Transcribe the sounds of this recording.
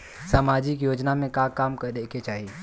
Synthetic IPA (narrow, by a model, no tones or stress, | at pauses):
saːmaːd͡ʒɪkjoːd͡ʒnamẽkakaːmkəɗekʰet͡ʃaːɦi